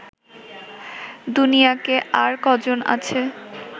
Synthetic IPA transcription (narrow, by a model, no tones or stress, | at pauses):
d̪unijakeʔaɾkɔd͡ʑona̰t͡ɕʰe